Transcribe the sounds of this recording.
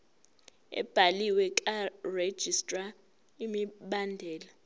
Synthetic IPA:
ɛ̰b̥ʱaliwɛkʼared̥ʒ̥ʱistʼra | imiɓandʱɛːla

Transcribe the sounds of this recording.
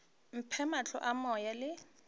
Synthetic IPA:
m̩pʰɛmat͡ɬʰɔ̰ʔamɔjalɪ

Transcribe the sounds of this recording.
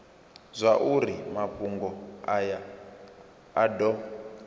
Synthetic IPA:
zʷaʔuɾimaɸuŋɡɔaja | dɔ

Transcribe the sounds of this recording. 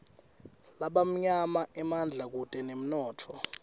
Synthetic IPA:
laɓam̩ɲamaʔɛmand͡ɮʱak̬utʼɛnem̩nɔːtʰɔ

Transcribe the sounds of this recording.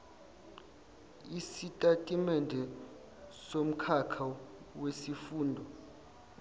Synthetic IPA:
isitʼatʼimɛndʱɛ | som̩kʰakʰa | wesifuːndʱɔ

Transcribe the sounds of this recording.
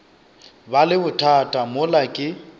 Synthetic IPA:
balɪbʊtʰatʼamʊlakʼɪ

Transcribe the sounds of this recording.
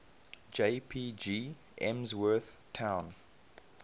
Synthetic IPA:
d͡ʒeɪpʰiːd͡ʒiː | ʔɛ̃mzwɜˑθtʰãʊ̃n

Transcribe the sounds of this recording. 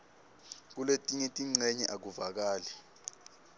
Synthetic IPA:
k̬uletʼiŋetʼiŋ͡ǀɛɲɛʔak̬uvak̬aːlɛ

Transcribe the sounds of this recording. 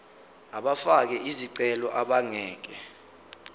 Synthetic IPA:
aɓafak̬ɛʔiziǀɛlɔʔaɓaŋɛːk̬ɛ

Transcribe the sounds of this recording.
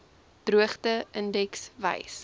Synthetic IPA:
d̥ruəχtəəndɛksvɐ̰js

